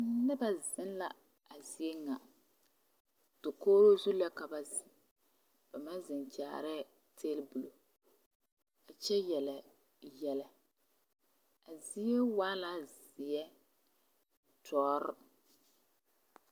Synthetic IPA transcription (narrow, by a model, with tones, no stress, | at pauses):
nɪ˦ba˦˨zɪ˦nla̰˨ | a˨zi˨˦e˦ŋa˨ | tʊ˨koː˦ɾo˦zu˦la˦ka˨ba˨z | b̥a˨ma˦zɪ˨nt͡ʃa̰ː˨ɾɛ˦ | tʰeː˦lbu˨lo˨ | a˨t͡ʃɛ˦jɛ˨lɛ˨ | jɛ˨lɛ˨ | a˨zi˦e˦waː˦la˦z | ɪ˨ɛ˦ | tʰɔː˨˦ɾʊ˦